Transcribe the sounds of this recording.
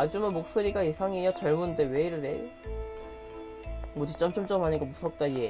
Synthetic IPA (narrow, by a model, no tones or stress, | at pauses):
ad͡ʑumɯnmok̚s͈oɾiɡaisʰaŋejʌt͡ɕʌɭmundɯweiɾɯɾḛ | mʌt͡ɕit͡ɕ͈ʌmt͡ɕ͈ʌmt͡ɕ͈ʌmɦaɲiɡomusʰʌk̚t͈aɡie